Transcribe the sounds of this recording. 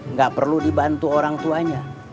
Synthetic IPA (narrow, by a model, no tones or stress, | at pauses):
ŋɡaʔpərludibant̪uoɾaŋt̪uaɲa